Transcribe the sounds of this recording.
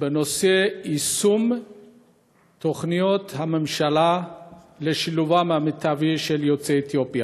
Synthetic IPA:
benoseisum | t̪oχnijot̪hame̞mʃala | leʃiluvameamet̪aviʃeljot͡seːt̪jo̞pja

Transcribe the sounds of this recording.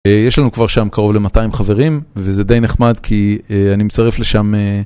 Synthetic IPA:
ejeʃlanukvaʁʃamkaʁo̞vle̞mataimχave̞ʁimvezed̪e̞jneχmadkʰieanimet͡saʁefleʃame

